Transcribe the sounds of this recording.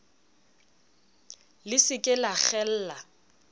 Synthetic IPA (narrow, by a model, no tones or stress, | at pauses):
lɪsɪkʼɪlaχɛl̩ːla